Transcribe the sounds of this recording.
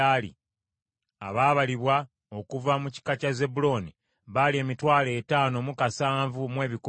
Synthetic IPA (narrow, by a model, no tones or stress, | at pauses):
alḭ | a̰βaːβaliβwa | o̞kuvamuci̥kacaze̞bulo̞ːni | βalie̞ːmitwaːle̞ːtaːno̞mukasaːɱvumwe̞ːβiku